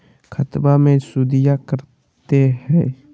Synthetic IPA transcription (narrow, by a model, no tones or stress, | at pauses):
kʰət̪bamẽsʊd̪ɪjakəɾ | t̪eɦɛ̰ː